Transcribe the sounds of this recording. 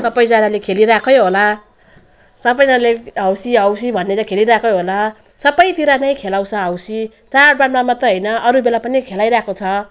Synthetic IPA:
sʌbʌjd͡zanalekʰeliɾakʰʌjɦola | sʌbʌjd͡zanaleɦʌwsiawsibʱʌnːetʌkʰeliɾakʰʌjɦola | sʌbʌjt̪iɾanʌjkʰelawt͡sʰʌawsi | t͡sarbaɽmamat̪ʌɦʌjnʌʔʌɾubelapʌnikʰelajɾakot͡sʰʌ

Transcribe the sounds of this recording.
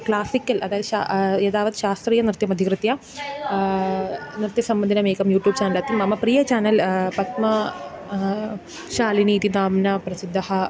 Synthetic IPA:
klaːsikʲːɐlʔɐ̰ðaːjɐðɕa̰eːðaːʋɐd̪ɨɕaːst̪riːjɐnɾɨt̪jɐmɐd̪ʱikɾɨt̪jɐ | niɾt̪jɐsɐmbɐnd̪ʱinɐmeːkɐmjuːʈjuːb̚t͡ɕaːnɐlaːt̪ːimɐmːɐpriːjɐt͡ɕaːnɐlpɐt̪mɐ | ʃaːliniːt̪inaːmnɐprɐsid̪ːɐhɐ

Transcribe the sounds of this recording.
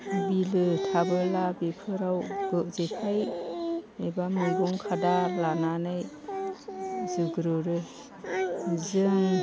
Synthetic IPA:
bilɯtʰabɯlabepʰɯɾawb̥ɯʔzekʰaj | ebamɯɡuŋkʰadalananɯj | zɯɡɾɯɾɯ | zɯŋ

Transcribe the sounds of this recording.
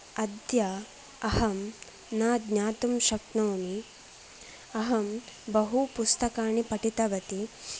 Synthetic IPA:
ɐd̪ja | ɐɦɐm | naːd̪ɲaːt̪umʃɐkɳoːmi | ɐɦɐmbɐɦupust̪ɐkaːɳipɐʈit̪ɐʋɐt̪i

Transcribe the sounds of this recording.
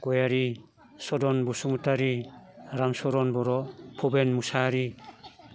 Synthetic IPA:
ɡɔjaɾi | sɔdɔnbusuŋutaɾiɾamsɔɾɔnbɔɾɔpʰɔbenmusaɾi

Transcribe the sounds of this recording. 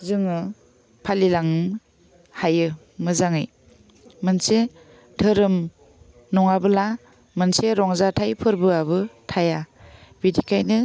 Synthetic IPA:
zɯŋɯ | pʰalilaŋ | hajɯ | mɯzaŋɯj | mɯnse | tʰɯɾɯm | nɔŋabɯla | mɯnseɾɔŋzatʰajpʰɯɾbɯaβɯtʰajabidikajnɯ

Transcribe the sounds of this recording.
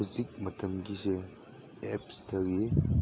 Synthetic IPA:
izik̚mɐtʰɐmɡise | ep̚stʰɐɡi

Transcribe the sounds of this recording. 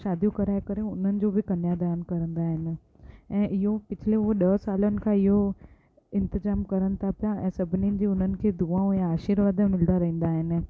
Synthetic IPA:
ʃaːd̪ʱjũkɐɾaːekəɾẽʊn̤ənɪ̆d͡ʑobʱikɐnjad̪aːnkɐɾə̃nd̪aɦɪn | ɛ̃ːʔɪɦopɪt͡ʃʰleʋoɗɐsaːlonɪ̆kʰaɪɦo | ɪ̃nt̪əzaːmkɐɾənt̪ʰapjãɛ̃ːsɐbʱninɪd͡ʑiʊn̤ənɪ̆kʰed̪uãõjãaːʃiːɾʋaːd̪mɪld̪aɾɐɦĩːnd̪aɦɪn

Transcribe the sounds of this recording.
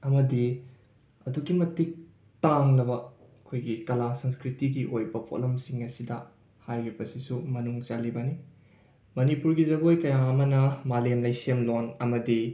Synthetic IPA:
ɐmɐdi | ɐduɡimɐtik̚ | taŋnɐbɐ | ɐkʰojɡikɐlasɐnskɾitiɡiʔojbɐpʰo̰lɐmsiŋɐsidɐ | hajɾibɐsisumɐnuŋt͡ʃalibɐni | mɐnipuɾɡizɐɡojkɐjaɐmɐnɐmalemlɐjsemlonɐmɐdi

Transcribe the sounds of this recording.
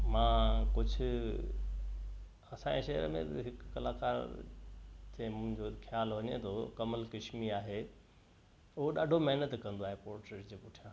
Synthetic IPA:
mãːkʊd͡ʑʱʊ̆ | ɐsãeʃɐɦəɾmḛ̃ɦɪkːɐlaːka̰ːɾ | t̪ʰemʊ̃ɦɪ̃ɲd͡ʑoxʰjaːlɦɐɲet̪ʰokɐməlkɪʃmiaːɦe | ʊɦoɗaːɖʱomɐɦnət̪kɐ̃nd̪oaːɦepoːɾʈɾeʈd͡ʑeːpʊʈʰijãː

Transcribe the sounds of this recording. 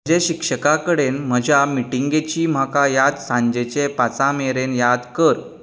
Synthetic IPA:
d͡ʑeɕikʂəkakəɽenm̤əd͡ʑʱamiʈiŋɡet͡ɕiːm̤akajad̪sãɲd͡ʑet͡ɕepat͡sãmeɾenjad̪kəɾ

